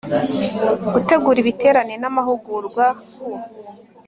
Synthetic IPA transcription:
ɡute̞ɡuɾiβite̞ːɾanenamaɦuɡuɾɡwaku

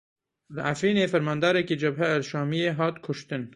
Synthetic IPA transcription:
laʔafiːnefɐɾmɑːnd̪ɑːɾekid͡ʒɐbɦaːzʃɑːmijeɦɑːt̪kʰʊʃt̪ɪn

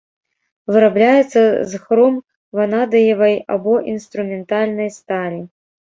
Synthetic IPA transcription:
vɨɾablʲajɛt̪sːɐzxɾɔm | vɐnad̪ɐjɐvɐja̰bɔʔinst̪ɾumʲɛnt̪alʲnɐjst̪aɾʲi

